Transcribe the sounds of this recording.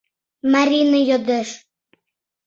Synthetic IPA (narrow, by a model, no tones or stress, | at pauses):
maɾʲinəjod̪eʃ